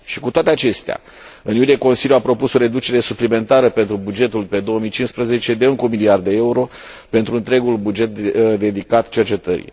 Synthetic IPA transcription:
ʃi̥kut̪oat̪e̞at͡ʃe̞st̪ea̰ | ɨnjulieko̞nsiljuapɾo̞puso̞ɾe̞d̪ut͡ʃe̞ɾe̞suplime̞nt̪aɾəpe̞nt̪ɾubud͡ʒe̞t̪ulpe̞d̪oomijt͡ʃinspɾəze̞t͡ʃe̞d̪euŋkumiliard̪eeuɾo̞ | pe̞nt̪ɾuɨnt̪ɾe̞ɡulbud͡ʒe̞t̪̚d̪e̞d̪ikat̪t͡ʃe̞rt͡ʃe̞t̪əɾḭ

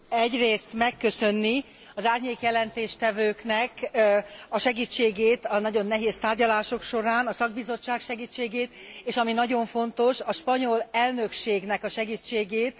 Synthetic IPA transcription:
ɛɟreːst̪mɛkːø̞sønːi | ɒzaːrɲeːkjɛlɛnt̪eːʃt̪ɛvøːknɛk | ɒʃɛɡiːt͡ʃːeːɡeːt̪ɒnɒɟo̞nːɛɦeːst̪aːrɟɒlaːʃo̞kʃo̞ɾaːnɒsɒɡ̚bizo̞t͡ʃːaːkʃɛɡiːt͡ʃːeːɡeːt̪eːʃɒminɒɟo̞ɱfo̞n̪t̪o̞ʃɒʃpɒɲo̞lɛlnø̞kʃeːɡnɛkɒʃɛɡiːt͡ʃːeːɡeːt̪

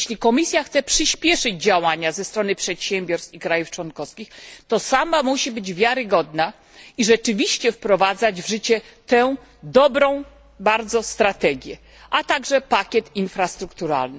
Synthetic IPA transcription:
ɕlʲikɔmʲisʲjaxt̪sɛpʂɘɕpʲjɛʂɘd͡ʑd͡ʑawaɲazɛst̪ɾɔnɘpʂɛt̪ɕɛmʲbʲɔɾst̪ʲikɾajuft͡ʂwɔnkɔskʲixt̪ɔsamamuɕibɘd͡ʑvʲjaɾɘɡɔd̪na | iʐɛt͡ʂɘvʲiɕt͡ɕɛfpɾɔvad̪zad͡ʑvʐɘt͡ɕɛt̪ɛw | d̪ɔbɾɔ̃w̃ | baɾd̪zɔst̪ɾat̪ɛɡʲjɛ | ʔat̪aɡʐɛpakʲɛt̪infɾast̪ɾukt̪uɾa̰lnɘ

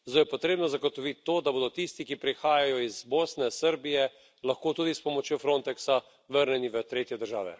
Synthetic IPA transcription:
zd̪oːjɛpoɔt̪ɾeːbnɔzaɡot̪ɔʋit̪ːoːd̪aboːd̪ɔt̪ist̪ikipɾixaːjajɔizboːsnɛsəɾbijɛ | lɐxkoːt̪uːd̪ispɔmɔt͡ʃjofɾõnt̪ɛksa | ʋəɾnɛniʋət̪ɾeːt̪jɛd̪əɾʒaːʋɛ̰

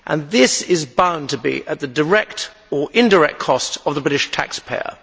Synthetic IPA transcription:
ʔə̃nðɪsɪzbãʊ̃ntʰəbḭʔət̪̚ðədə˞ɛk̚t | ə˞ʔɪ̃ndəɹɛk̚kʰɒstəvðəbɹɪɾɪʃtʰæ̰kspʰeɪə̰

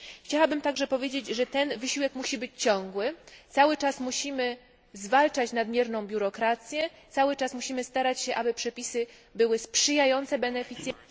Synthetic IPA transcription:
xt͡ɕawabɘmt̪aɡʐɛpɔvʲjed͡ʑed͡ʑʐɛt̪ɛnvɘɕiwɛkmuɕibɘt͡ɕt͡ɕɔ̃ŋɡwɘt̪sawɘt͡ʂasmuɕimɘ | zvalt͡ʂat͡ɕnad̪mʲjɛɾnɔ̃w̃bʲjuɾɔkɾat̪sʲjɛt̪sawɘt͡ʂasmuɕimɘst̪aɾat͡ɕɕɛʔabɘpʂɛpʲisɘbɘwɘspʂɘjajɔnt̪sɛbɛnɛfʲit̪sʲj

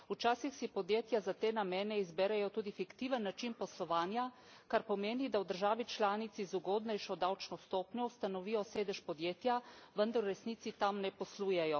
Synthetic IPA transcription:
ut͡ʃaːsixsipɔd̪jeːt̪jazat̪eːnamɛːnɛizbɛɾɛjɔt̪uːd̪ifikt̪iːʋənːat͡ʃinpɔslɔʋaːnja | kaɾpɔmeːnid̪awd̪əɾʒaːʋit͡ʃlaːnit̪sizuɡɔːd̪nɛjʃɔd̪awt͡ʃnɔst̪oːpnʲɔwst̪anɔʋiːjɔseːd̪ɛʃpɔd̪jeːt̪jaʋənd̪aɾuɾɛsnit̪sit̪amnɛpɔsluːjɛjɔ

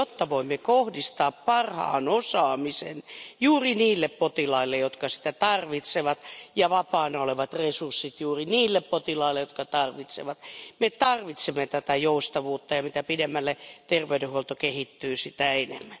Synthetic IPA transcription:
jot̪ːɑʋoimːekohdist̪ɑːppɑrhɑ̰ːnosɑːmisḛnjuːriniːlːeppot̪ilɑilːejot̪kɑsi̥t̪æt̪ɑrʋit̪seʋɑt̪jɑʋɑpɑːnoleʋɑt̪resursːit̪juːriniːlːeppot̪ilɑilːejot̪̚kɑt̪ɑrʋit̪sḛʋɑt̪met̪ɑrʋit̪semːet̪æt̪æjoust̪ɑʋuːt̪ːɑjɑmit̪æpidemːælːet̪erʋeydehuolt̪okehit̪ːyːsit̪æenemːæn

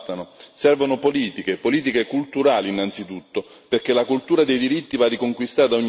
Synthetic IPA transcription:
t̪anosɛrvonopoliːt̪ik̟epoliːt̪̬ikekult̪uɾaːliːnːant̪sit̪ut̪ːo | perk̟elakult̪uːɾad̪ejd̪iɾit̪ːivarːikoŋkwist̪aːt̪aoɲː

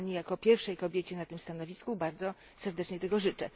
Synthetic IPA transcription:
ɲijakɔpʲjɛɾfʂɛjkɔbʲjet͡ɕɛnat̪ɘmst̪anɔvʲiskubaɾd̪zɔ | sɛɾd̪ɛt͡ʂɲɛt̪ɛɡɔʐɘt͡ʂɛ

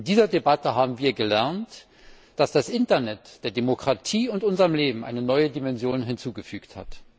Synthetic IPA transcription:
ɪndiːzɐdebatəɦaːbm̩viːɐɡəlɛɐnt | d̥asd̥asʔɪntɐnɛtd̥eːɐdemokʁ̥atʰiːʊntʔʊnzəʁəmleːbm̩ʔa̰ɪnənɔʏədimɛnzjoːnɦɪnt͡suːɡəfyːktha̰t

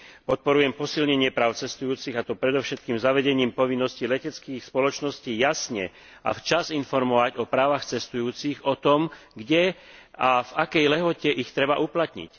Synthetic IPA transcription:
pɔt̪̚pɔɾujɛmpɔsilɲɛɲɪɛpɾaːʊt͡sɛst̪ujuːt͡siɣat̪ɔpɾɛd̪ɔʊʃɛt̪̚kiːmzaʋɛɟɛɲiːmpɔʋinːɔscilɛcɛt͡skiːxspɔlɔt͡ʃnɔsciːjasɲɛ | a̰ft͡ʃazinfɔɾmɔʋaɟɔpɾaːʋaxt͡sɛst̪ujuːt͡siɣɔt̪ɔmɡɟɛavakɛjlɛɦɔcɛʔixt̪ɾɛbaʔuplat̪ɲḭc

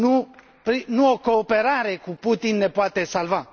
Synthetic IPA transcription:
nu | pɾinũokoːpeɾaɾekuput̪inːepwat̪esalva

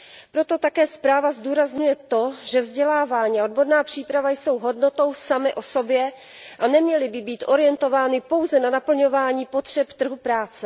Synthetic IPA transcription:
pɾo̞t̪o̞t̪akɛːspɾaːvazd̪uːɾazɲujɛt̪o̞ʒɛvzɟɛlaːvaːɲiːaod̪̚bo̞ɾnaːpr̝̥iːpɾavajso̞wɦo̞dnot̪o̞wsamɪʔo̞so̞bjɛ | ʔanɛmɲɛlɪbɪbiːt̪ʔo̞ɾɪjɛnt̪o̞vaːnɪpo̞wzɛnanapl̩ɲo̞vaːɲiːpo̞t̪r̝̥ɛpt̪r̩ɦupɾaːt͡sɛ

